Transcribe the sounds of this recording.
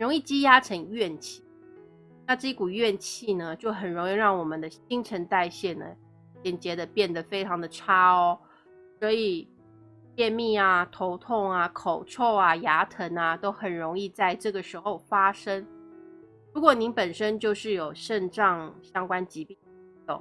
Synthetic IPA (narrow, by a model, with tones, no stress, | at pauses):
ə˩nɻʊ˧˥ŋi˥˩t͡ɕi˥ja˥ʈ͡ʂʰə˧˥ŋɥɛ˥˧nt͡ɕʰi˥˩ | na˥˧ʈ͡ʂɤ˥˩i˥ku˨˩ɥɛ˥˧nt͡ɕʰi˥˩nə˩t͡ɕjo˥˩ʊxə˨˩nɻʊ˧˥ŋi˥˧ɻɑ˥˩ŋwɔ˨˩mə˨nd̪ə˦ɕi˥ŋʈ͡ʂʰə˧˥nt̪a˥˧ɪɕjɛ˥˩nə̰˩ | jɛ˨˩nt͡ɕjɛ˧˥d̪ə˨pjɛ˥˩nd̪ə˩fe˥ɪʈ͡ʂʰɑ˧˥ŋd̪ə˨˩ʈ͡ʂʰa˥ɔ˧˦ | swɔ˧˥i˨˩ | t͡ɕjɛ˥˧nmi˥˩a˩t̪ʰo˧˥ʊt̪ʰʊ˥˩ŋa˨˩kʰo˨˩ʊʈ͡ʂʰo˥˩ʊa˨˩ja˧˥t̪ʰə˧˥na˨t̪o˥ʊxə˨˩nɻʊ˧˥ŋi˥˧t͡sa˥˧ɪʈ͡ʂɤ˥˩ɡə˩ʂɻ̩˧˥xo˥˧ʊfa˥ʂə˥ŋ | ɻu˧˥kwɔ˨˩ni˧˥ŋpə˨˩nʂə˥nt͡ɕjo˥˧ʊʂɻ̩˥˩jo˨˩ʊʂə˥˧nʈ͡ʂɑ˥˧ŋɕjɑ˥ŋkwa˥nt͡ɕi˧˥pi˥˩ŋi˧˥t̪ʊ̰˥˩ŋ